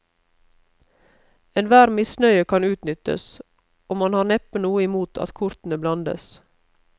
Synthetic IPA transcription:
ɛnʋæːɾmɪsnœʏəkʰɑnʉːt̪nʏt̪ə̰s | ɔmɑnhɑːɾnɛpənuːəɪmuːt̪ʰɑ̰t̪kʰʊɾt̪n̩əblɑnd̪ə̰s

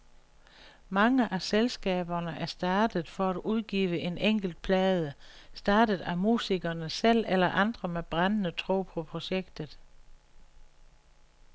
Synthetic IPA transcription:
mɑ̈ŋəʔæselsɡ̥ɛ̰ːb̥ɐnəʔæɐsd̥ɑ̈ːd̥ð̩ˠfɒ̽æd̥uð̞ˠɡ̥ḭːʋəʔe̝neŋ̰ɡ̥l̩d̥̚pʰlɛːð̞ˠəsd̥ɑ̈ːd̥əð̩ˠæmṵːsiɡ̥ɐnəsel̰elɐʔɑ̈nd̥ʁɐmeb̥ʁɑnənət͡sʰʁo̝̰ːpʰɒ̽pʰʁo̝ɕeɡ̥d̥ð̞̩ˠ

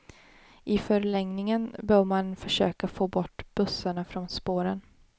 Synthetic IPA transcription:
ʔɪfœɾlɛŋnɪŋənbœːɾmanfœʂøːkafoːbɔʈːbɵsːaɳafɾɔnspoːɾən

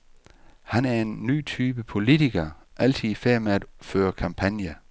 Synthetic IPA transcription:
hænæɐe̝nːy̰ːt͡sʰyːb̥əpʰo̝lit͡sʰiɡ̥ɐʔæl̰t͡sʰiðˠifæɐ̰meæd̥føːɐkʰɑ̈mpʰænjɐ

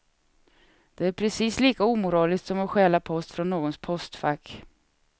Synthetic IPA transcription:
d̪̥ɛæɾpʰɾɛsiːsliːkauːmʊɾɑːlɪskt̪sɔmɛɧɛːlapʰɔst̪fɾɔnːoːɡɔnspʰɔst̪fakː

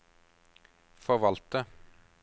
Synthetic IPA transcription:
fɔʋɑlt̪ə

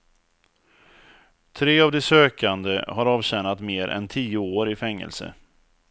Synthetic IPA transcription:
t̪ʰɾeːavd̪ɛsøːkand̪ə̰ɦaɾɑːvɕɛnat̪meːɾʔɛ̰nt̪ʰiːʊoːɾɪfɛŋːə̰lsə̰

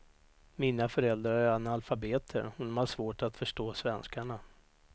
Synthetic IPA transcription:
miːnafœɾɛld̪ɾaɾæɾanalfabeːt̪ʰə̰ɾɔd̪ɔmhaʂvoːʈat̪fœʂʈoːsvɛnskaɳa

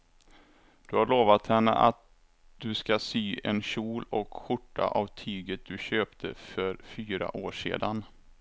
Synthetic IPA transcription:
d̪̥ɵhaɾɭoːvat̪hɛnːə̰ʔat̪̚ | d̪̥ɵskasyːɛnɕuːlɔkɧʊʈːa̰ʔavt̪ʰyːɡət̪̚d̪̥ɵɕøːpt̪ʰəfœɾfyːɾa̰ʔoːʂḛːd̪an

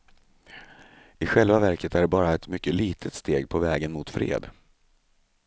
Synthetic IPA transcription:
ɪɧɛlvavæɾkət̪ʰæɖɛbɑːɾaɛt̪mʏkːəliːt̪ʰət̪st̪eːɡpʰɔvɛːɡənmʊt̪fɾḛːd̪

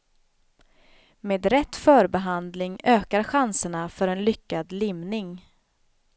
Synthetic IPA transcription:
meːd̪ɾɛt̪ːfœːɾbɛɦand̪lɪŋøːkaɾɧansəɳafœɾɛnlʏkːad̪lɪmnɪŋ

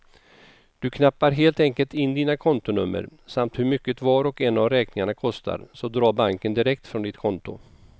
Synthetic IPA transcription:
d̪̥ɵkʰnapːaɾɦeːlt̪ɛŋkəlt̪ɪnːd̪iːnakʰɔnt̪ʊnɵ̰mːə̰ɾsamt̪hɵɾmʏkːət̪vɑːɾɔkɛnːavɾɛːknɪŋaɳakʰɔst̪ʰa̰ɾsɔd̪ɾɑːɾbaŋkənd̪ɪɾɛk̚t̪fɾɔnd̪ɪt̪kʰɔnt̪ʊ̰

